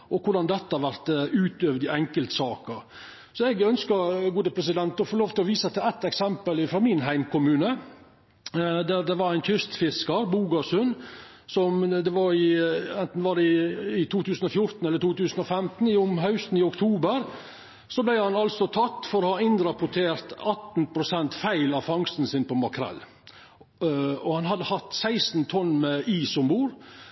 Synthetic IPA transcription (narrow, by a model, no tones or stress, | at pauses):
ʔɔkʰʊɖɑnd̪ɛt̪ːəhɑɾʋæɾt̪ʉːt̪øːʋd̪ɪʔɛŋkəlt̪sɑːkəɾ | sɔɛɡœnskəɾɡuːd̪əpʰɾɛs̬ɪd̪ɛnt̪ɔfoːloːʋt̪ɪlɔʋiːsət̪ɪæt̪ːɛksɛmpəlɪfɾɔmɪnɦæɪmkʊmʉːnə | d̪æɾd̪ɛʋɑɾæɪnt̪ʰʏst̪fɪskəɾbuːɡɑsʉn | sɔmd̪ɛʋɑɾɪɛnt̪n̩ʋɑɖɛɪɪt̪ʰuːt̪ʰʉːsn̩ɔfjʊɾt̪n̩ɛlːəʈ̪uːt̪ʉːsən̩ɔfɛmt̪n̩ɪʊmɦɑʉst̪n̩ɪʊkt̪ʰuːbəɾ | sɔblæɪhɑnɑlsɔt̪ʰɑt̪ːfɔɾɔhɑɪnɾɑpʊʈʰeːɾt̪ɑt̪npʰɾʊsɛnt̪fæɪlɑʋfɑŋst̪n̩sɪnpɔmɑkʰɾɛ̰l | ɔhɑnhɑd̪ːəhɑt̪ːsæɪsn̩t̪ʰɔnːmɛiːsɔmbuːɾ